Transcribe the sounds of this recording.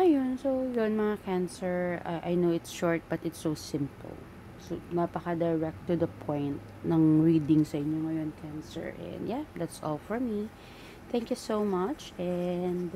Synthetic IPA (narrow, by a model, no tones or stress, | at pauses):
ʔɐjonsojonmɐŋakænsɛɹʔajnowɪt̪sʃɔɹt̪̚b̥ɐt̪ɪt̪sowsɪ̃mpə̰lˠ | sonapɐkɐd̪ɛɹɛk̚t̪ːud̪ɐpʰɔ̃jnt̪̚ | nɐŋɹiːd̪ɪŋsɐʔɪɲjoŋɐjonkʰæ̃nsɛ̰ɹʔɛ̰̃nd̪jad̪æt̪sʔɔ̰lfɔɹmi | θɛ̃ŋkjusowmɐt͡ʃʔɛnd̪